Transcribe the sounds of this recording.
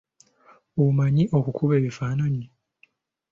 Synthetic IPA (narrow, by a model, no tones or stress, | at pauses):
umaɲiʔo̞kukʰuβe̞ːβifaːnaɲi